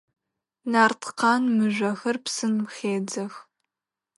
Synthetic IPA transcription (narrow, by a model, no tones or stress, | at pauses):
naːrtʰqɑːnmɨʒʷɐxɐrpsɨnmxeːd͡zɐx